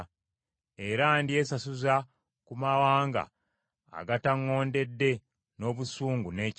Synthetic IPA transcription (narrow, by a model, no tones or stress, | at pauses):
e̞ɾandie̞sasuza | kumawaːŋɡa̰ː | ɡataŋːo̞ːnde̞dːe̞ | no̞ːβusuːŋɡune̞ːc